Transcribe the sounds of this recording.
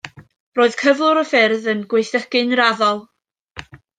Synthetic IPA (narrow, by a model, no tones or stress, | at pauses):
roːɨðkʰəvlˠʊɾəfɪrðənɡwejθəkɨnraðɔlˠ